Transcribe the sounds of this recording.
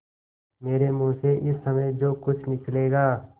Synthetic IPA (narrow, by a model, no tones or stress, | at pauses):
meːɾemũːseʔɪsːɐməjd͡ʒoːkʊt͡ʃʰnɪkleːɡaː